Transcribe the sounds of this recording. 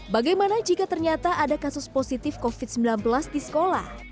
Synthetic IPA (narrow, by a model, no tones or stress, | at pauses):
baɡajmanad͡ʒikat̪ərɲat̪aʔadakasʊsposit̪ɪfkofɪt̪səmbilanbəlasdisə̥kola̰h